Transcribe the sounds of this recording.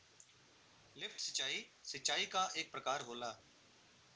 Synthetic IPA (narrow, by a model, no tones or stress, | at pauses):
lɪfʰʈsət͡ʃt͡ʃːaːiːsəʃaːiːkaːʔeːk̚pɾəkaːɾɦoːlaː